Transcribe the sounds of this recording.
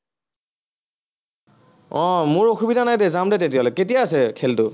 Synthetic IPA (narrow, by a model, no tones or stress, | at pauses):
ɔ̃mʊɹoxʰubidʱanajdɛzamdɛtetijalojketijaːsɛkʰɛltʊ